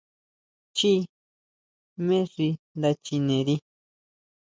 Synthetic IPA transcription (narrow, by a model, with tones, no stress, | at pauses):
t͡ʃi˦ | mẽ˦ʐi˧nd̪a˧t͡ʃi˧nẽ˨ɾi˧